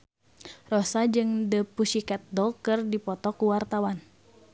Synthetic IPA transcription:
rɔsad͡ʒɨŋdəpusikɛt̪̚dɔkɨrdipɔt̪ɔkuwart̪awan

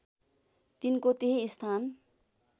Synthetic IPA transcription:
t̪inkot̪eɦiːst̪ʰan

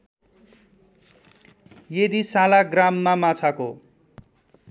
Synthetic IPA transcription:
jed̪isalaɡramːamat͡sʰako

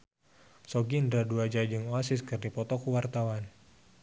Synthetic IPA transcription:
sɔɡindɾaduad͡ʒad͡ʒɨŋoasɪskɨrdipɔt̪ɔkuwart̪awan

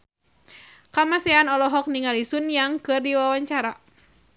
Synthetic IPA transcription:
kamasɛanɔlɔɦɔk̚niŋalisunjaŋkɨrdiwawaɲt͡ʃaɾa

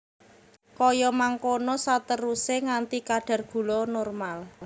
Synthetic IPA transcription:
kɔjɔmaŋkonɔsat̪əɾuseŋant̪ikaɖ̥a̤rɡ̥ṳlɔnɔrmal

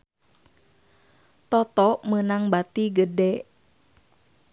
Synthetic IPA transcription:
t̪ɔt̪ɔʔmənaŋbat̪iɡədɛʔ

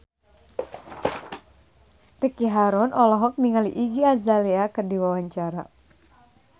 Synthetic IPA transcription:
rikiɦaɾɔnʔɔlɔɦɔk̚niŋalḭʔiɡiazaleakərdiwawaɲt͡ʃaɾa̰

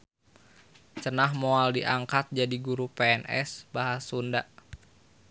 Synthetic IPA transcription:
t͡ʃənahmɔaldiʔaŋkat̪̚d͡ʒadiɡuɾupɛɛnɛ̰sbaɦasundaʔ

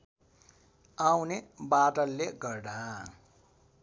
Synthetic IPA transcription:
awnebaʈʌlːeɡʌrɖãː

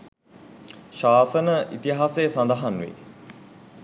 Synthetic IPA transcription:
ʃaːsənəʔit̪iɦaːsejəsand̪əɦanʋḛ

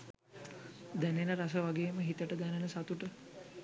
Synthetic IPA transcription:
d̪ænenəɾasəʋaɡeːməɦit̪əʈəd̪ænenəsat̪uʈə

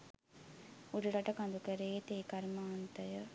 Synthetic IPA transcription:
uɖiɽɐʈɐkɐnd̪ukəɾeet̪eːkɐɾmaːnt̪ɐjə

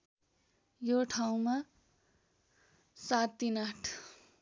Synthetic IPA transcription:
joʈʰaw̃ma | sat̪ːinaʈʰ

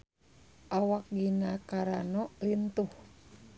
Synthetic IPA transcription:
ʔawak̚ɡinakaɾanɔlint̪uh

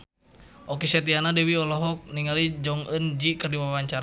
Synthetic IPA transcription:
ʔɔkisɛt̪̬ianadɛwiɔlɔɦɔk̚niŋalid͡ʒɔŋənd͡ʒikɨrdiwawaɲt͡ʃaɾa

